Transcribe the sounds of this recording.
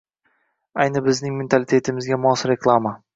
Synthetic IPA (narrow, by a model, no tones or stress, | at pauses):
ajnɪbɪznɪŋment̪ʰalɪt̪ʰe̞t̪ʰɪmɪzɡʲamɒsɾe̞klˠama